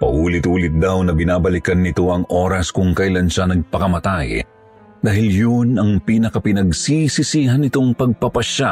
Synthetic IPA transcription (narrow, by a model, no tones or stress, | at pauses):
pɐ̰ʔuːlɪt̪uːlɪt̪̚d̪awnɐbɪnaːbɐlɪkɐnːɪt̪o̞ʔɐŋʔo̞ːɾɐskʊŋkɐjlanʃanɐɡ̚pɐkɐmɐt̪aj | d̪aːhɪljʊnɐŋpiːnɐkɐpɪnɐɡsisisiːɦɐnɪt̪o̞ŋpɐɡ̚pɐpɐʃa